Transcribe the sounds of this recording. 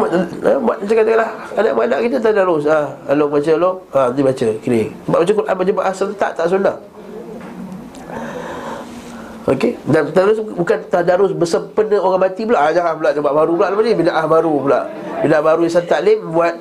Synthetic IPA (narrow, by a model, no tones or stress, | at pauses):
aabuat̪asakat̪əkalahana̰ʔmanaʔkit̪ət̪̬ahdaɾʊsahalobat͡ʃəloat̪ibat͡ʃəkilesəbaʔbat͡ʃəkuɾʔa̰nbad͡ʒəbaʔahsənt̪a̰ʔt̪aʔsunah | okedant̪adaɾʊs̬bukant̪adaɾʊsbəsəmpənəoɣaŋmat̪ipulaʔaɲaahbulaʔd͡ʒabaʔbaɾupulaʔlapanibinaʔahbaɾupula̰ʔ | binaʔbaɾuisənt̪aʔlembuat̪̚